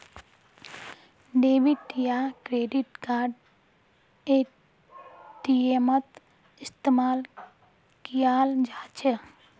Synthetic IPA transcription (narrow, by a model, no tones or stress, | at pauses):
ɖeːbiʈijaːkɾeːɖiʈkaːɖ | e | ʈiemɐt̪ | ist̪emaːl | kijaːld͡ʒʱaːt͡ʃe